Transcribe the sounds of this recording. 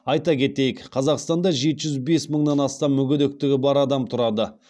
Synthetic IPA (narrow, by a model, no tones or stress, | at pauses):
ɑjt̪ɑkʲʰe̞t̪e̞jɪkqʰɑzɑqst̪ɑnd̪ɑʒe̞t̪ɪʒʏzbe̞sməɴnɑnɑst̪ɑmːʏɡʲɪd̪ʏk̚t̪ɪɡʲɪbɑɾɑd̪ɑmt̪ʰʊɾɑd̪ə